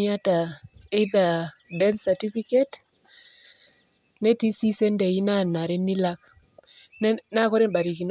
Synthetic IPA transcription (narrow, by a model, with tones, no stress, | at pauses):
a˦ta˨e˦d̪a˨dɛ˦nsa˨ti˦fi˦ke˦t | nɛ˦ti˦si˦sɛ˦nde˨ji˦na˦˨na˨ɾɛ˦nːi˦la˦k | n˦na˦˨kɔ˦ɾe˦nba˨ɾi˨ki˨n